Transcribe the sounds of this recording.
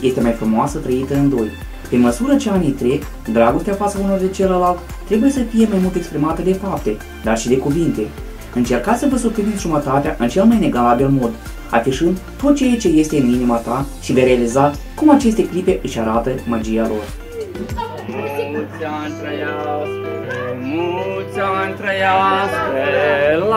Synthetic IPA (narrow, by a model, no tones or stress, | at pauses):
je̞st̪e̞majfɾumoasət̪ɾəit̪əɨnd̪o̞j | pe̞məsuɾət͡ʃeanijt̪ɾe̞k | d̪ɾaɡo̞st̪eafat̪sauno̞rd̪et͡ʃeləlalt̪t̪ːɾe̞buje̞səfijemajmult̪e̞kspɾimat̪əd̪e̞fap̚t̪e̞ | d̪arʃid̪e̞kuvint̪e̞ | ɨnt͡ʃe̞rkat̪ssəvəsup̪linit̪ʲʒumət̪at̪eaʔɨnt͡ʃe̞lmajne̞ɡalabilmo̞d̪ | a̰fiʃɨnd̪t̪ot̪t͡ʃe̞jat͡ʃe̞je̞st̪e̞ɨninimat̪aʃivejɾe̞alizat̪sʲkumat͡ʃe̞st̪e̞klipe̞ʔɨʃʲaɾat̪əmad͡ʒijalo̞̰r | nt̪ɾa | mut̪sʲant̪ɾəja